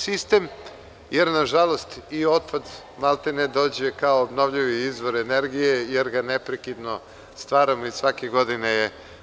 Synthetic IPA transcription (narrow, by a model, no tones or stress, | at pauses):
sist̪e̞m | je̞ɾnaʒalo̞st̪io̞t̪̚pad̪ | malˠt̪ened̪o̞ːd͡ʑe̞kaoːbno̞ʋʎiʋiizʋo̞ɾe̞ne̞ɾɡije̞je̞ɾɡane̞pɾekid̪no̞ | st̪ʋaːɾamoisʋakeɡo̞d̪ineje